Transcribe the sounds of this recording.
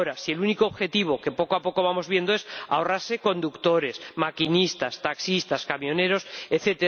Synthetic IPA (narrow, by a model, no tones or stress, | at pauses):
oɾasie̞lunikoːβxe̞t̪iβ̞o̞ke̞po̞koapo̞ko̞β̞amo̞zβje̞nd̪oe̞sa̰o̞raɾse̞ko̞nd̪ukt̪o̞ɾe̞smakinist̪ast̪aksist̪askamjo̞ne̞ɾo̞seθe̞t̪e